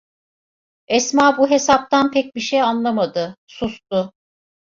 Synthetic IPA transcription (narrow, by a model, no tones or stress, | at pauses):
ɛsmaːbuɦe̞sap̚t̪ʰanpʰɛc̚biʃejanlˠamad̪ɯsust̪ʊ